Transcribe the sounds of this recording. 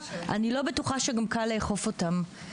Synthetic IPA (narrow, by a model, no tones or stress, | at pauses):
ʔa̰nilo̞betuχaʃeɡamkaleχo̞fotam